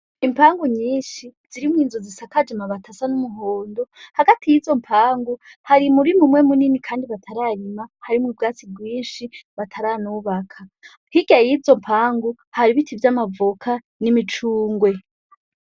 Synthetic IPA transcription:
impʰaːŋɡuɲiːnʃiz̥iɾimwiːnzozisakad͡ʒemaβatasanumuɦo̞ːndo̞haɡatijizo̞mpʰaːŋɡuhaɾimuɾimumwe̞muninikʰaːndiβatʰaɾaɾimahaɾimŋib̚ɡaːt͡sib̚ɡwiːnʃiβatʰaɾanuːβakʰa | hiɡajizo̞mpʰaːŋɡu | haɾiβitʰivjamavukʰa | nimit͡ʃuːŋɡwe̞

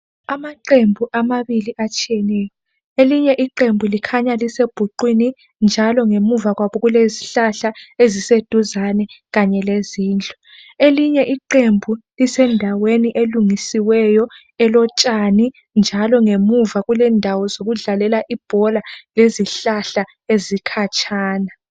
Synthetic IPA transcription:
amaǃembʱuʔamaβiliʔat͡ʃʼiɛnɛːjɔ | eliɲɛʔiǃembʱulikʰaɲaliseb̥ʱuǃwini | nd͡ʒʱalɔŋemuvaɣwaβɔɣuleziɬaɬaezised̥ʱuzanɛɣaɲɛleziːnd͡ɮʱʼɔ̥ | eliɲɛʔiǃembʱulisɛndʱaweniʔeluŋisiwɛjɔ | ɛlɔt͡ʃʼani | nd͡ʒʱalɔŋemuvaɣulɛndʱawɔzoɣuɮalɛlaʔib̥ʱɔlaleziɬaɬa | ezikʰat͡ʃʰʼaːna

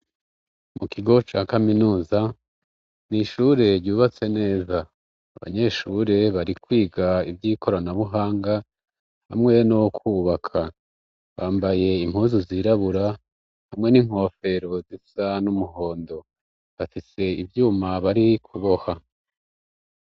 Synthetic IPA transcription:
mukiɡo̞t͡ʃaːkaminuːza | niʃuːɾe̞ɾɟuːβat͡se̞ne̞ːzaː | βa̰ɲe̞ʃuɾe̞βaɾikwiːɡaibjiːkʰo̞ɾanaβuɦaːŋɡa | ha̰mŋe̞nokwuːβakʰa | βaːmbaje̞im̥huːnzuziɾaβuɾa | hamŋe̞niŋ̥ho̞ːfe̞ɾo̞zisanumuɦo̞ːndo̞ | βafise̞ivjuːmaβaɾikʰuβo̞ha

